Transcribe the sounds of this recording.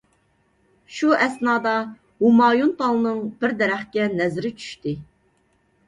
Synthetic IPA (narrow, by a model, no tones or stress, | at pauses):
ʃuʔɛsnɑːd̪ɑ | humɑːjunp̪ʰɑlˠɨnɨŋb̥ɪɾd̪ɛɾæχkʲɛnɛzɪɾɪt͡ʃʰy̥ʃt̪ɪ